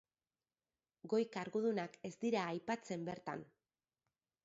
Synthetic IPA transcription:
ɡo̞jkaɾɣuðunake̞zd̪iɾaːjpat͡se̞mbe̞ɾt̪a̰n

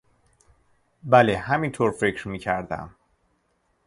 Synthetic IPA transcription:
bælehæmint̪ʰoɾfe̞cʰɾmiːcʰæɾd̪æ̰m

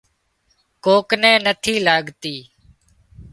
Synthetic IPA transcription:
koːknɛ̃ːnət̪ʰiːlaːɡt̪iː

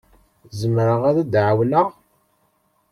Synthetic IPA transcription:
zəmɾəʁaðæd̪ʕawləʁ

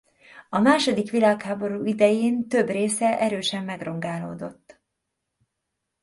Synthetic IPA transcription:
ɒmaːʃo̞d̪ikʋilaːkhaːbo̞ɾuːid̪ɛjeːnt̪ø̞breːsɛʔɛɾøːʃɛmːɛɡro̞ŋɡaːlo̰ːd̪o̞t̪ː

